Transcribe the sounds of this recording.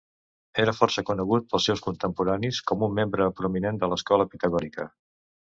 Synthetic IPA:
eɾəfɔrsəkunəɣut̪̚pəlˠsɛwskunt̪əmpuɾaniskɔmumːembɾəpɾuminend̪ələskɔləpit̪əɣɔɾikə

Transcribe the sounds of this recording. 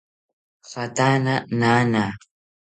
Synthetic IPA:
xat̪ananana

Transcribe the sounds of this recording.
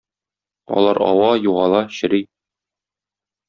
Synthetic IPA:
ɒ̰lˠɑɾɒ̰wɑjuʁɑlˠɑɕɘ̆ɾi

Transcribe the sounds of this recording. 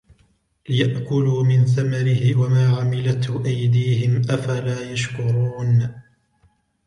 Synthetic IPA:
lɪjaʔkʊluːmɪnθamaɾɪhɪwamaːʕamɪlat̪hʊʔajd̪iːhɪmʔafalaːjaʃkʊɾuːn

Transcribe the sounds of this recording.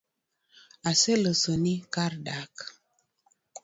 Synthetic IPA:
aselosonikardak

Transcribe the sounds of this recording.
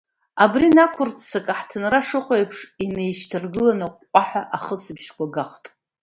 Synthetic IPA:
abrinakʷʰʊrt͡sʰsakʼaħtʰɨnraʂɨqʷʼojpʰʂinejʃtʰɨrɡɨlanɨqːʷʼaħʷᶣaʔaχəsɨbʃkʷaɡaqtʼ

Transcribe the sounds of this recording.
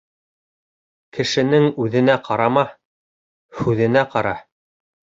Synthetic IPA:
kɘ̆ʃɘ̆nɘŋʉðɘ̆næqʰɑɾɑmɑ | hʉðɘ̆næqɑɾɑ

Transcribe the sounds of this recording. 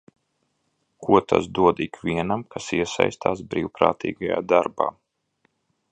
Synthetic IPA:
kuɔt̪ʰa̰sd̪uɔd̪ikvʲiɛnamkʰasiɛsa̰jst̪aːsbɾiːwpɾa̰ːt̪ʰḭːɡaja̰ːd̪aɾba̰ː

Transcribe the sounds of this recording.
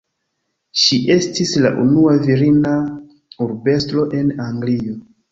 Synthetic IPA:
ʃiʔe̞stisla̰ʔṵnuaviɾina | uɾbe̞stɾo̞ʔe̞naŋɡlio

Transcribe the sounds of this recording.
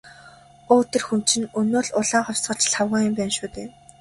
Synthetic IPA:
oːt̪ʰĕrxunt͡ɕɪ̆nɵnoːɮʊɮaːŋχɔw̥ʲsɢə̆t͡ɕɮχawʁaːjʊmpæːnʃuːt̪eː

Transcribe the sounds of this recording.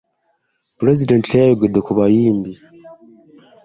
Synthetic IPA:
pɾezidentejoɡedekuβajiːmbi

